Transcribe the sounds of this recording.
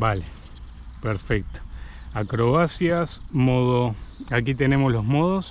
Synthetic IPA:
bale | peɾfek̚t̪o̥ | akɾoasjasmoðoak̬it̪e̞ne̞moslo̞zmoðos

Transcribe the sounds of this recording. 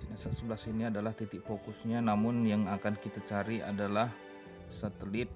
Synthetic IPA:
sinasasəbəlasiniadalaht̪it̪ɪk̚fokʊsɲanamʊnjaŋakankit̪at͡ʃaɾiʔa̰dalah | sat̪əlɪt̪̚

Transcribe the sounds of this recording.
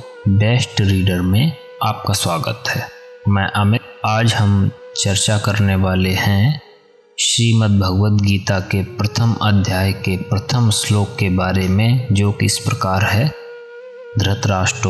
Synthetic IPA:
beːsʈɾiːɖəɾmẽ | aːp̚kaswaːɡə̰t̪ɦɛːmɛ̃ːʔəmɪaːd͡ʒhəmt͡ʃəɾt͡ʃakəɾneʋaːlehɛ̃ | ʃɾiːmət̪̚bʱəɡʋət̪ɡiːt̪akepɾət̪ʰəmə̰d̪ʱjaːjkepɾət̪ʰəmsloːkːebaːɾemẽd͡ʒoːkḭɪspɾəkaːɾɦɛ | d̪ɾət̪ɾaːʃʈɾ

